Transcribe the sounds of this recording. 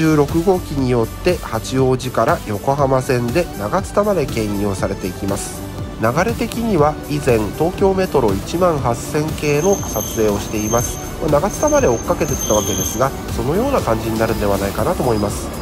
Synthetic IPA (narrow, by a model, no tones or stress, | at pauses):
ɨːɾo̞kɯ̟ɡo̞ːkʲiɲ̟ijo̞t̪ːe̞hat͡ɕio̞ːʑikaɾajo̞ko̞ɦamasẽ̞nd̪e̞naɡat͡sɨ̥t̪amad̪e̞kẽ̞ɰ̃joːsaɾe̞t̪e̞ikʲimasɨ̥ | naɡaɾe̞t̪e̞kʲiɲ̟iβa | izẽ̞nt̪o̞ːkʲo̞ːme̞t̪o̞ɾo̞it͡ɕimãɰ̃ɦasẽ̞ŋke̞ːno̞sat͡sɨe̞ːo̞ɕi̥t̪e̞imasɨ̥ | manaɡat͡sɨ̥t̪amad̪e̞o̞kːake̞t̪e̥t̪ːaβake̞d̪e̞sɨɡa | so̞no̞jo̞ːnakãɲ̟d͡ʑiɲ̟inaɾɯ̟̃nd̪e̞β̞anaikanat̪o̞mo̞imasɨ̥